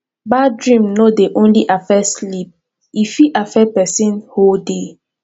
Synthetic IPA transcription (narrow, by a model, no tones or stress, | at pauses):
badɹĩmnodeʔõnliʔafɛslip̚ | ifiʔafɛpɛsĩnholde